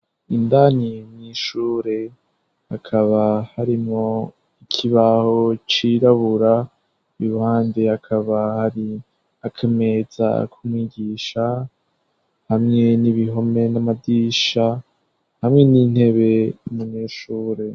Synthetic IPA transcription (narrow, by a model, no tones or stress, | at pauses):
indanimɲiːʃuːɾe̞ | hakʰaβahaɾimŋo | ikʰiβaho̞t͡ʃiɾaβuɾa | iβuhaːndehakʰaβahaɾi | akʰeme̞za̰kʰumwiːɡiːʃa | hamŋe̞niβiɦo̞me̞namadiʃa | hamŋe̞nin̥he̞βe̞muɲeʃuːɾe̞